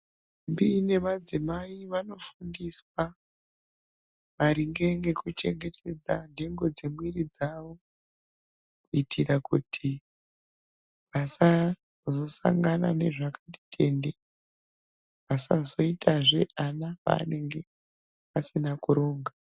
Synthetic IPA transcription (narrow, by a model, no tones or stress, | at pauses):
mbine̞mad͡zimaiʋano̞fundiswa | ʋaɾiŋɡe̞ŋɡe̞kut͡ʃe̞ŋɡetʰe̞d͡zande̞ŋɡo̞d͡ze̞mwirid͡zaʋo̞ | kuitʰiɾakṵtʰi | ʋasa | zo̞sa̰ŋɡana̰ne̞ʐakati̥tʰe̞nde | ʋasazo̞itʰaʐe̞ʔanapa̰ːne̞ŋɡe̞ | pasinakuɾo̞ːŋɡa